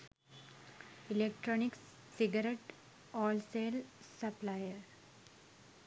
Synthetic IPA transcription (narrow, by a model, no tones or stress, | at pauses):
ilek̚ʈɾɔnik | siɡəɾeʈ | ɔːlselsəplajəɾ